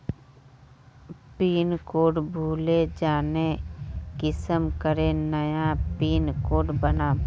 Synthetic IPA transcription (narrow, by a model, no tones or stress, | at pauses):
piːnkoːɖbʱuːled͡ʒaːnekɪsəmkəɾenəjapiːnkoːɖbənaː